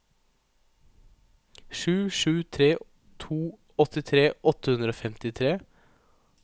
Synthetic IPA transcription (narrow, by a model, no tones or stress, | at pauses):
ʂʉːʂʉːt̪ʰɾeː | t̪ʰuː | ɔt̪ɪt̪ʰɾeːʔɔt̪əhʉnd̪ɾoːfɛmt̪ɪt̪ʰɾeː